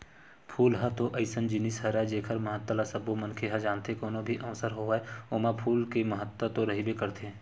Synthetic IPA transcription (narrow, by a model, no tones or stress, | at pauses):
pʰuːlɦət̪oʔɐɪsənd͡ʒɪnisɦəɾɛd͡ʒeːkʰəɾməɦət̪ːəlasəbomənkʰeɦɛ̃d͡ʒaːnt̪ekoːnobʱiʔɐʋsəɾɦoeoːmapʰuːlkeməɦət̪ːət̪oɾɐɦibekəɾt̪ʰe